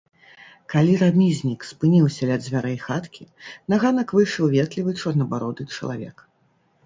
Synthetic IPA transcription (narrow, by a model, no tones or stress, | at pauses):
kalʲiɾamʲizʲnʲikspɨnʲiwsʲɐlʲɛd̪zʲvʲaɾɛjxat̪kʲinaɣanɐkvɨjʂɐwvʲɛt̪lʲivɨt͡ʂɔrnɐbaɾɔd̪ɨt͡ʂɐ̰lˠa̰vʲɛ̰k